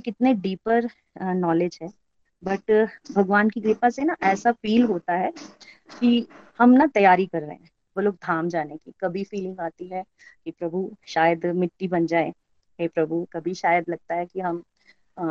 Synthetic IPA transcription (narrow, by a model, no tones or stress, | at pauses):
kɪt̪neɖiːpəɾ | nɔːled͡ʒɦɛ̃ː | bɐʈbʱɐɡʋaːnkiɡɾɪpasenaʔɛːsafiːlɦoːt̪aɦɛ | kihɐmnat̪ɐjaːɾikɐɾːɐ̰ɦḛ̃ | bɐloːk̚d̪ʱaːmd͡ʒaːnekḭkɐbʱifiːlɪ̃ŋɡaːt̪iɦɛ | kipɾɐbʱuʃaːjəd̪mɪʈːibɐnd͡ʒaːẽ | ɦepɾɐbʱukɐbʱiʃaːjəd̪lɐɡ̚t̪aɦɛkiɦɐm